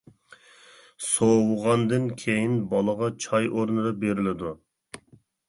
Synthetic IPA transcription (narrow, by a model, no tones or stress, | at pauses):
sowʊʁɑnd̪ɨnkʲʰejinbɑlˠəʁɑt͡ʃʰɑjʔoɾnɨd̪ɑbeɾɪlɪd̪u